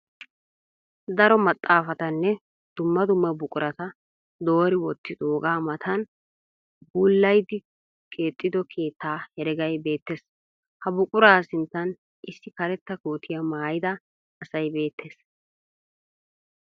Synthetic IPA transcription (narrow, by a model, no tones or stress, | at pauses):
d̪ɐɾɔmɐt̪ʼːaːfɐt̪ɐnːɛ | d̪̥ʊmːɐd̪ʊmːɐbʊkʼʊɾɐt̪ɐ | d̪o̞ːɾɪwɔt̪ːɪd̪oːɡaːmɐt̪ʰɐn | buːlːɐjd̪ɪ | kʼe̞ːt̪ʼːɪd̪ɔkʰe̞ːt̪ːaːhɛɾɛɡɐjbe̞ːt̪ːe̞s | hɐbʊkʼʊɾaːsɪnt̪ːɐn | ʔɪsːɪkɐɾɛt̪ːɐkoːt̪ʰɪjɐmaːjɪd̪ɐː | sɐjbe̞ːt̪ːe̞ːs